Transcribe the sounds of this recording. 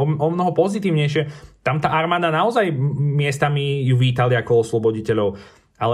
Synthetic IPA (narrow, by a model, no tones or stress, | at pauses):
ɔmnɔɦɔpɔzit̪iːʊɲɛjʃ̬ɛt̪amt̪aːʔaɾmaːd̪anaɔzajmɪɛst̪amijuʋiːt̪aliakɔɔslˠɔbɔɟicɛʎɔʊ | alɛ